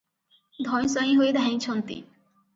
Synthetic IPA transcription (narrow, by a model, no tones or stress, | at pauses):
d̪ʱɔjsɔĩɦoed̪ʱaĩt͡ɕʰɔnt̪ḭ